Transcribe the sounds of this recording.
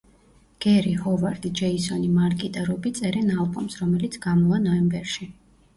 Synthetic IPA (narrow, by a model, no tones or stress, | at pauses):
ɡ̥ɛɾihɔvaɾd̪id͡ʒɛisɔnimaɾkʼit̪ʼɛɾɔbit̪sʼɛɾɛnalˠbʼumsɾɔmɛlit̪sʰɡamɔanɔɛmbɛɾʃi